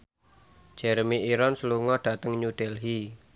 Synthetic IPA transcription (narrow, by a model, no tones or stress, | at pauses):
d͡ʒ̥ɛɾmiiɾɔnsəluŋɔɖ̥ä̤t̪əŋɲuɖ̥ɛlɦi